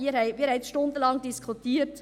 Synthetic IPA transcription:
iːəɾhɛɪmiːɾhɛɪsʃtʊnd̪əlɑŋdiskʰχut̪iːt

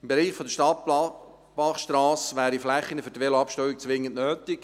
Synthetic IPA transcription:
ɪmbeɾiːχfɔd̪əʃtɑt̚pɑ | b̥ɑχʃtɾɑːsʋæːɾiflæχːinəfʏɾdʋeloɑpʃtœɥik̚t͡sʋɪŋːəntnøːt̪ɪk

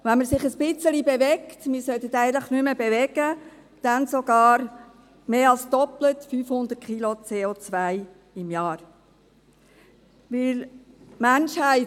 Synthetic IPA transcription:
vanməɾsɪχəsbɪt͡səlibevɛktmɪsœtətæɪətləχnyməbevɛɡə | d̥ansoɡ̥ɑːɾ | meːɑlsd̥ɔplətfyːfhʊnd̪ərt̚kʰχilot͡seːot͡sʋæɪ | ɪmjɑːɾ | vɪl | mænʃhæɪ

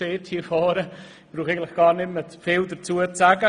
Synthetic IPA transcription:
eːthifɔːɾə | b̥ɾuːχejɡən̩tlɪχɡ̥aːɾnɪmətfɪːldəɾt͡suːətsaɡə

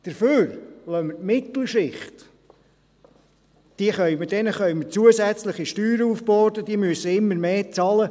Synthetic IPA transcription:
d̥əɾføːɾlœmətmɪt̪l̩ˠʃɪχt̪ | d̥iəχœʏmədɛnəχœʏmət͡suəzæt͡sləχiʃtyːɾəufbɔːdəd̥̪iəmyəsəɪmːəɾmeːt͡sɑːlə

